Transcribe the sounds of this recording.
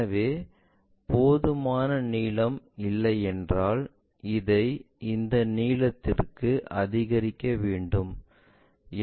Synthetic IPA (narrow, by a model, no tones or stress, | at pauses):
ɐʋeː | poːðɯmaːnɐniːlɐm | ɪlːɐɪɛndraːl | ɪðɐɪ | ɪnd̪ɐniːlɐt̪ːɪrkɯʔɐðɪɣɐɾɪkːɐʋeːɳɖɯm